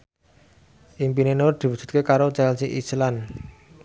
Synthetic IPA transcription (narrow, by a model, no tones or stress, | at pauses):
ʔimpinenord̪̥i̤wud̥ʒ̥ṳt̪̚kekaɾot͡ʃɛlsiʔi̥səlan